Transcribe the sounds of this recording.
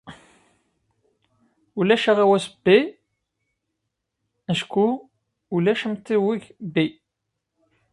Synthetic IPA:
ulæʃæʁæwæsəbːi | æʃku | ulæʃəmt̪ːiwiʝbi

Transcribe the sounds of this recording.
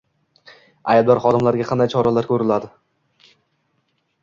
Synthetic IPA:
ajbd̪ɒɾχɒd̪ɪmlaɾɡʲaqʰɑnd̪ajt͡ʃʰɒɾalaɾkʲʰɵɾɪlad̪ɪ

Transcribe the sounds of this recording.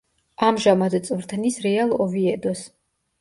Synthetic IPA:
amʒamad̪t̪sʼvɾt̪ʰnisɾɛalˠɔviɛd̪ɔs

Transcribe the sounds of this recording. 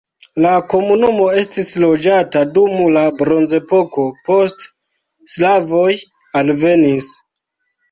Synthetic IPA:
lako̞munumo̞e̞stislo̞d͡ʒatadumulabɾo̞nze̞po̞ko̞po̞stː | lavo̞j | alve̞nis

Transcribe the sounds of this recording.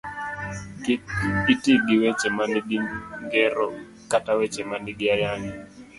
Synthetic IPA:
itiɡiwɛt͡ʃɛmandiɡiŋɡɛɾɔ̰ | katawɛt͡ʃɛmandɪɡɪajaŋi

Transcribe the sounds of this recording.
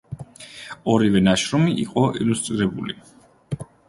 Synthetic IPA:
ɔɾivɛnaʃɾɔmiʔḭqʼɔʔilust̪ʼɾiɾɛbuli

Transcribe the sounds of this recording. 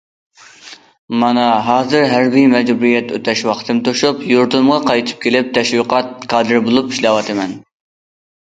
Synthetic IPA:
mɑnɑɦɑːzɨɾɦæɾbijmɛd͡ʒbuɾijɛt̪øt̪ʰɛʃwɑqt̪ʰɨmt̪ʰoʃupjuɾt̪ɨmʁɑqʰɑjt̪ʰɨ̥p̚kʲʰelɪp̚t̪ʰɛʃwiqʰɑt̪̚kʰɑːd̪ɨɾbolˠupiʃlɛwɑt̪ʰɨmɛn

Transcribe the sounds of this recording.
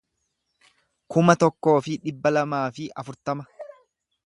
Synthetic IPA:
kʊmɐt̪ɔkːo̞ːfɪᶑɪbːɐlɐmaːfɪʔɐfʊɾt̪ɐmɐ

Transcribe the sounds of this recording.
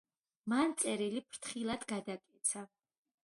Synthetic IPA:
mant̪sʼɛɾilipʰɾt̪ʰχilˠad̪ɡad̪akʼɛt̪sʰa

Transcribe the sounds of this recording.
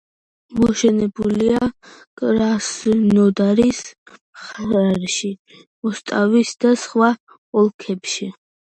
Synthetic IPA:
mɔʃɛnɛbulia | kʼɾasnɔd̪aɾis | χaɾaɾʃi | mɔst̪ʼavisd̪asχwa | ɔlˠkʰɛpʃi

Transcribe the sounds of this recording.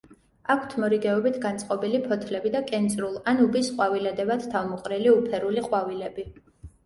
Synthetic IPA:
akʰt̪ʰmɔɾiɡɛɔbit̪ʰɡant̪sʼqʼɔbilipʰɔt̪ʰlɛbid̪akʼɛnt̪sʼɾulˠanubisqʼwavilɛd̪ɛvad̪̥t̪ʰavmɔqʼɾɛliupʰɛɾuliqʼwavilɛbi

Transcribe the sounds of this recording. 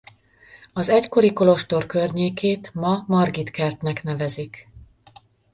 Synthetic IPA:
ɒzɛcko̞ɾiko̞lo̞ʃt̪o̞rkø̞rɲeːkeːt̪mɒmɒrɡit̪kɛrt̪nɛknɛvɛzik

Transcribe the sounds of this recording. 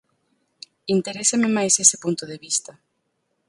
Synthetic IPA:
int̪eɾesɐmɪmajsesɪ̥punt̪ʊðeβist̪ɐ

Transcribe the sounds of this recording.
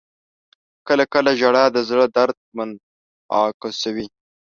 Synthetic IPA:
kəlakəlaʒaɽad̪əzɽəd̪aɾd̪̚man | ɑ̰kasawi

